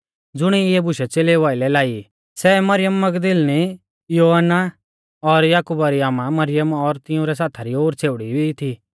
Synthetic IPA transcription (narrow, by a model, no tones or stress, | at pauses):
d͡zʊɽ̃iɪɛbʊʃɛt͡seːleʋaːɪlɛlaːi | sɛmɐɾɪjəmːɐɡd̪ɪlni | joːɦənːa | ɔɾjaːkuːbaɾiaːmamɐɾɪjəmɔɾt̪ɪʊ̃ɾɛs̬aːt̪ʰaɾioːɾt͡sʰeːʋɽibit̪ʰi